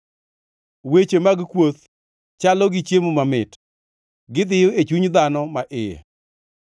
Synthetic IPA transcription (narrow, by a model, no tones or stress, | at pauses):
wet͡ʃemaɡkwot̪ | t͡ʃalɔɡɪt͡ʃjemumamɪt | ɡɪd̪ɪjʊet͡ʃuɲd̪anɔmaʔɪja̰